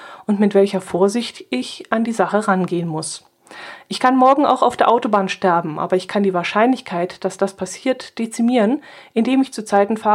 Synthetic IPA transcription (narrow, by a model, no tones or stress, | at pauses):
ʔʊntmɪtv̥ɛlçɐfoːɐzɪçtʔɪçʔandiːzaχəʁanɡeːənmʊs | ʔɪçkʰanmɔɐɡŋ̩a̰ʊxaʊfd̥eːɐʔaʊtobaːnʃtɛɐbm̩ʔa̰ːbɐɪçkʰandiːvaːɐʃaɪnlɪçkʰaɪtd̥asd̥aspʰasiːɐtd̥et͡simiːʁənʔɪndeːmɪçt͡suːt͡saɪtn̩faː